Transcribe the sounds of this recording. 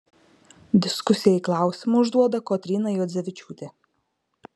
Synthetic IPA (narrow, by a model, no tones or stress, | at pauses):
d̪ʲɪskʊsʲɪjɛiːklˠɑˑʊsʲɪmʊʊʒd̪uɔd̪ɐkoːt̪ʲɾʲiːnɐjoːd̪zʲɛʋʲɪt͡ʃʲuːt̪ʲe